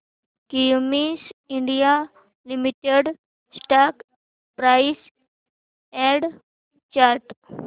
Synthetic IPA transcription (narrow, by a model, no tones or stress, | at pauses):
kijmisiɳɖija | limiʈeɖ | sʈak | pɾajs | ɛɖ | t͡ʃaɾʈ